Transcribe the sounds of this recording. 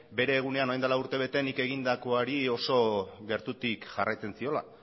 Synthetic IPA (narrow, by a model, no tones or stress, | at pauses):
be̞ɾe̞ːɣ̞une̞ano̞jnd̪alauɾt̪e̞β̞e̞t̪e̞nike̞ɣ̞ind̪ako̞aɾio̞so̞ɣe̞ɾt̪ut̪ikʝarajt͡se̞nsio̞la̰